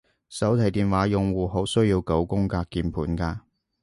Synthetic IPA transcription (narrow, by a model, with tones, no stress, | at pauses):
sɐ˨˥wt̪ʰɐ˨˩jt̪iː˨nwaː˨˥jʊ˨ŋwuː˨˩ɦo˨˥wsɵ˥ɥjiː˧wko˨˥wkʊ˥ŋkaː˧kːiː˧npʰuː˨˥nkaː˧